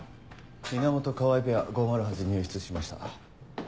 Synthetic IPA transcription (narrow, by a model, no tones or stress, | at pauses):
mʲinamo̞t̪o̞kaβaibe̞aɡomaɾɯ̟ɦad͡ʑiɲʲɨːɕi̥t͡sɨɕimaɕi̥t̪a̰